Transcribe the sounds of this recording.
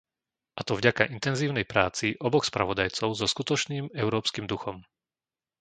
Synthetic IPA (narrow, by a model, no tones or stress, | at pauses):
ʔat̪ɔvɟakaʔint̪ɛnziːʊnɛjpɾaːt͡siʔɔbɔxspɾa̰ʋɔd̪ajt͡sɔʊzɔskut̪ɔt͡ʃniːmɛʊɾɔːpskimd̪uxɔm